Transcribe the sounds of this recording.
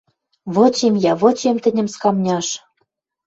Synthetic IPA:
βot͡ɕemjɑβŏt͡ɕemt̪ɘ̆nʲɘ̆mskɑmnʲɑʃ

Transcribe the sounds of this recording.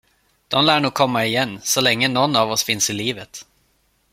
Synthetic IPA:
d̪̥ɔmlæːɳuːɡ̚kʰɔmːaɪjɛnːsɔlɛŋːənɔnːavɔsfɪnsɪliːvət̪

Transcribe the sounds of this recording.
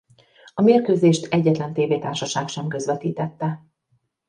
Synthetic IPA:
ɒmeːrkøːzeːʃt̪ɛɟːɛt̪lɛnt̪eːveːt̪aːrʃɒʃaːkʃɛmkø̞zʋɛt̪iːt̪ɛt̪ːɛ

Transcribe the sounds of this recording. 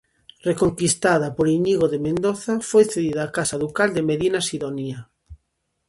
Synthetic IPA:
rekoŋkist̪aðapoɾiɲiɣoðemẽnd̪oθafojθeðiðaːkasaðukald̪emeðinasiðonia

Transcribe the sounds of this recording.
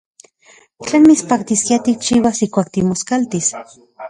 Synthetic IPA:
t͡ɬenmit͡spak̚t̪iskiat̪ik̚t͡ʃiːwasihkʷaːk̚t̪imoskalt̪is

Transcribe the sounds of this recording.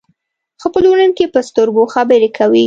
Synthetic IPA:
xəpəlunənkepəst̪oɾboxabəɾekʰawi

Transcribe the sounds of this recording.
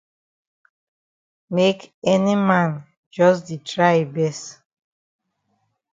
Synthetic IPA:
mekɛnimãn | d͡ʒɔsditɹaɪbɛst

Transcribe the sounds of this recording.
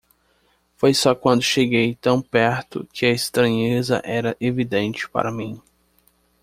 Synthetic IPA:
fojsɔkwɐ̃nd̪ʊʃeɡejt̪ɐ̃w̃pɛɾt̪ʊ̰kʰɪɐest̪ɾɐ̃ɲezɐ̰ʔɛɾɐʔevid̪ẽnt͡ʃɪ̥pa̰ɾɐmĩ

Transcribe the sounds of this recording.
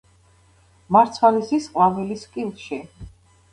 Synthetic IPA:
maɾt̪sʰwalisisqʼlavɛliskʼilˠʃi

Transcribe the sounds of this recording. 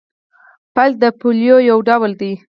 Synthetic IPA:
pal̚d̪əpoljojawɖawld̪i

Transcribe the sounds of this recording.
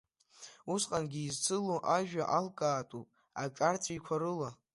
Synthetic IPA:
usqʼanɡʲiːzt͡sʰɨluʔaʒᶣaʔalkʼaːtʼupʼ | aʈ͡ʂʼart͡sʷʰʼikʷʰaɾɨla

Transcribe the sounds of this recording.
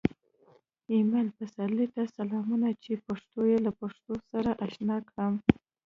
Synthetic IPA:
imelpasalit̪asalɑmunat͡ʃepaʂt̪ojelapaʂt̪osaɾaʔaʃnɑkɽəm

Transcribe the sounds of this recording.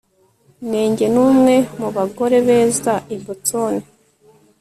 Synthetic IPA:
neːɲɟe̞nuːmŋe̞muβaɡo̞ɾe̞βeːzaibutoːni

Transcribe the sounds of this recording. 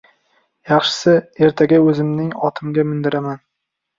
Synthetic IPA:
jɑχʃɪ̥sɪe̞ɾt̪ʰaɡʲaɵzɪmnɪŋɒt̪ʰɪmɡʲamɪnd̪ɪɾaman

